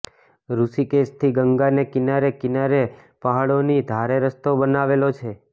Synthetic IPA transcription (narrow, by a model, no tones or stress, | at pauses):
ɾusikest̪ʰiɡəŋɡanekinaɾekinaɾe | paɦaɭonid̪ʱaɾeɾəst̪obənaʋelot͡ʃʰe